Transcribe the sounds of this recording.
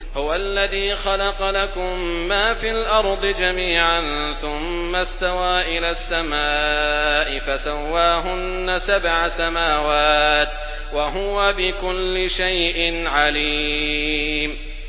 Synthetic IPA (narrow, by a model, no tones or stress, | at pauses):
hʊwalːaðiːxɑlɑqɑlakʊmːaːfiːlʔɑɾˤd̪ˤɨd͡ʒamiːʕanθʊmːast̪awaːʔɪlaːsːamaːʔɪfasawːaːɦʊnːasabʕasamaːwaːt̪ | waɦʊwabɪkʊlːɪʃajʔɪnʕali | m